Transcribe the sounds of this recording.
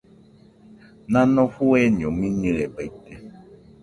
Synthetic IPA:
nãnɔ̃fuɛɲɔ̃mĩnĩlɛbɛit̪ɛ

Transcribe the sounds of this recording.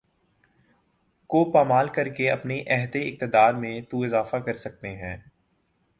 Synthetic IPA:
koːpaːmaːlkɐɾkeɐpneʔɛɦt̪eɪk̚t̪ɪd̪aːɾmẽt̪uɪzaːfakɐɾsɐk̚t̪eɦɛ̃ː

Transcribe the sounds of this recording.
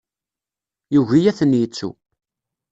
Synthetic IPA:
juʝijæθənjit͡sːṵ

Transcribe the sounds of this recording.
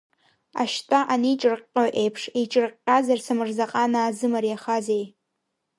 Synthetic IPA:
a̰ʃtʼaʔanit͡ʃʼɨrqʼoʔejpʰʂit͡ʃʼɨrqʼazarsamɨrzaqʼanaːzɨmɨrjaχazej

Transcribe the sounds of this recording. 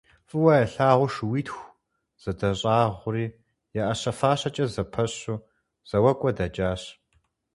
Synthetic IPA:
fʼɨwɐjɐɬaːʁʷʊʂwiːtxʷ | z̥ɐdɐɕʼaːʁʷʊriː | jaʔɐɕɐfaːɕɐt͡ʃʼɐzɐpʰɐɕuː | z̥ɐwɐkʷʼɔdɐd͡ʒaːɕ

